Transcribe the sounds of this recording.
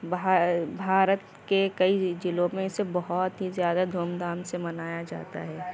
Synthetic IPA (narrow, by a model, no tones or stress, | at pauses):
bʱbʱaːɾət̪ | kekəid͡ʒɪlõmẽsebɔɦɔt̪ɦizjaːd̪ad̪ʱoːmd̪aːmsemɐnaːjad͡ʒa̰ːt̪a̰ɦɛː